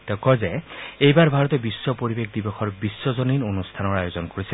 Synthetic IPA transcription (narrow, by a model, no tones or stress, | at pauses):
t̪ɔkɔzeejbaɹbʱaɹɔt̪ɔbiswɔpoɾibekʰd̪ibɔkʰɔɹbisːɔzoninonust̪ʰanɔɹajozɔnkoɹisi